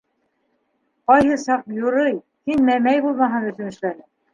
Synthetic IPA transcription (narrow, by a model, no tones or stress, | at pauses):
qɑjhɤsɑq̚jŏɾɤj | hinmæmæjbulˠmɑɦɤnɵ̆θɵ̆nɘ̆ʃlænɘ